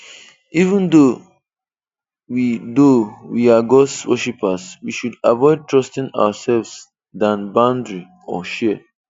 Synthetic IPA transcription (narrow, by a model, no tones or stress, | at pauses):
ivə̃nd̪o | widowiaɡɔswəʃipaswiʃudavɔɪd̚tʰɹɔstĩna̰wasɛlvs | dãnbãʊ̃ndɹi | ɔ̰ʃɛ